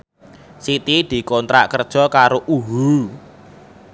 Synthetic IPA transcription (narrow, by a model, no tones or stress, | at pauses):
sit̪id̪̥i̤kɔnt̪ɾa̰kərd̥ʒ̥ɔ̤kaɾoʔuɦu